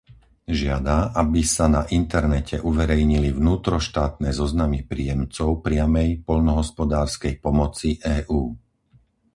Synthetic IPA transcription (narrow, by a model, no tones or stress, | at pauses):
ʒɪad̪aʔabisanaʔint̪ɛɾnɛcʰɛʔuʋɛɾɛjɲilivnuːt̪ɾɔʃt̪aːt̪̚nɛːzɔznamipɾḭːjɛmt͡sɔʊpɾɪamɛjpɔʎnɔɦɔspɔd̪aːɾskɛjpɔmɔt͡siʔɛːʔuː